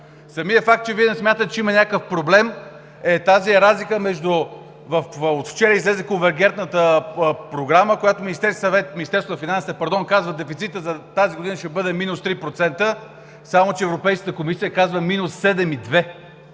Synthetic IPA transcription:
sɐmijəfak̚t̪̚t͡ʃɛviɛnɛsmʲat̪ət̪ɛt͡ʃɛimɐnʲakəfpɾoblɛm | ɛt̪aziɛɾazlikəmɛʒd̪ʊ | vəfot̪ft͡ʃɛɾəizlɛzɛkõnvɛɾɡʲɛnt̪nət̪əpɾoɡɾaməkojat̪ʊminist̪ɛɾssɐvɛt̪mʲinist̪ɛɾst̪onɐfinansit̪əpɐɾd̪ɔnkazvəd̪ɛfit̪sit̪əzɐt̪aziɡod̪inəʃɛbɤd̪ɛminʊst̪ɾipɾot̪sɛnt̪ə | samot͡ʃɛːvɾopɛjskə̥t̪əkomisijəkazvəminʊsːɛd̪ɛmid̪vɛ

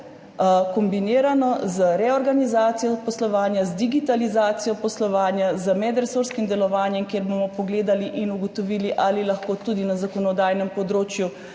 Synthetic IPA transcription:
kɔmbiniːɾanɔzəɾɛɔɾɡanizaːt̪sijɔpɔslɔʋaːnjazd̪iɡit̪alizaːt̪sijɔpɔslɔʋaːnjazəmɛd̪ɾɛsoːɾskimd̪ɛlɔʋaːnjɛmkjeɾbomɔpɔɡleːd̪aliʔinuɡɔt̪ɔʋiːliʔalilaxkoːt̪ud̪inazakɔnɔd̪aːjnɛmpɔd̪ɾoːt͡ʃju

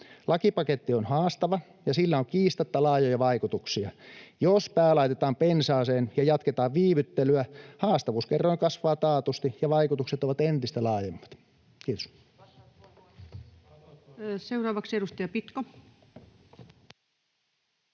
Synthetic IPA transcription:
lɑkipɑket̪ːionhɑːst̪ɑʋɑ | jɑsilːæoŋkiːst̪ɑt̪ːɑlɑːjojɑʋɑikut̪uksiɑjospæːlɑˑit̪et̪ɑːmpensɑːseːnjɑjɑt̪ket̪ɑːʋʋiːʋyt̪ːelyæhɑːst̪ɑʋuːskerːoiŋkɑsʋɑːt̪ɑːt̪ust̪ijɑʋɑikut̪ukset̪oʋɑt̪ent̪ist̪ælɑːjemːɑ̥t̪ | kiːt̪o̥s | seurɑːʋɑkseɾust̪ɑjɑpit̪ko

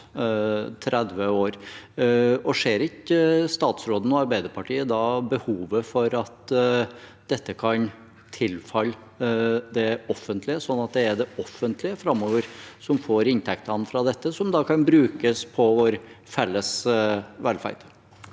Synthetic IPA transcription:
t̪ʰɾɛd̪ʋəoːɾ | ɔʂeːɾɪkəst̪ɑːt̪sɾoːd̪n̩ɔɑɾbæɪd̪əɾpɑʈiːəd̪ɑbəhuːʋəfɔɾɑt̪ | d̪ɛt̪ːəkʰɑn | t̪ʰɪlfɑl | d̪ɛɔfənt̪ʰlɪəsɔnːɑt̪̚d̪ɛæɖɛʔɔfːənt̪ʰlɪəfɾɑmːoːʋəɾsɔmfoːɾɪnt̪ʰɛk̚t̪əɑnːfɾɑːd̪ɛt̪ːəsɔmd̪ɑkʰɑnbɾʉːkəspʰɔʋoːɾfɛlːəsʋɛlfæ̰ɪt̪

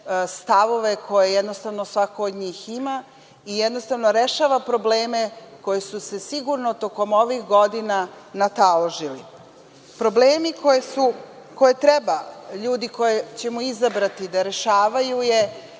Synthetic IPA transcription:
st̪aʋo̞ʋe̞kʰo̞jejɛd̪no̞st̪aʋno̞sʋakoːd̪ɲiːxima | ijɛd̪no̞st̪aʋnoɾeʃaːʋapɾo̞bleːmeko̞jesuse̞siɡuɾnot̪o̞ko̞mo̞ʋixɡod̪inanat̪aloʒili | pɾobleːmikojesu | ko̞jet̪ɾebaʎuːd̪iko̞jet͡ɕe̞muizabɾat̪id̪aɾe̞ʃaːʋajuje

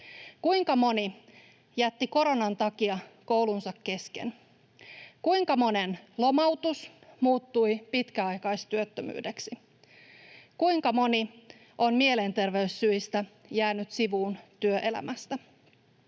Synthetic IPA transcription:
kuijŋkɑmo̞ni | jæt̪ːiko̞ɾo̞nɑnt̪ɑkiɑkowlunsɑkːe̞skḛn | kujŋkɑmo̞nenlo̞mɑwt̪usmuːt̪ːujpit̪kæɑjkɑjst̪yøt̪ːømy̰ːdeksi | kujŋkɑmo̞ni | ʔo̞nmie̞le̞nt̪e̞rʋe̞ysːyist̪æ | jæːnyt̪siʋuːnt̪yøʔe̞læ̰mʔæst̪æ

